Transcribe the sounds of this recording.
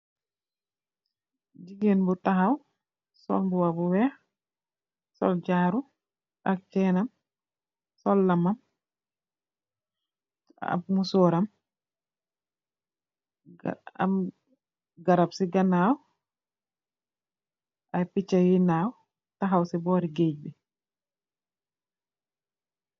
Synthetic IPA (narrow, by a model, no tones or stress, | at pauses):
ɟiɡenbutaɦaw | sɔ̰lbuwabuwɛː | sɔ̰lɟaːɾu | ak̚t͡ʃɛnam | sɔlːamam | a̰musɔːɾam | a̰m | ɡaɾabsiɡanaːw | ʔajpit͡ʃːajinaw | taɦawsibɔːɾiɡeɟ̚bi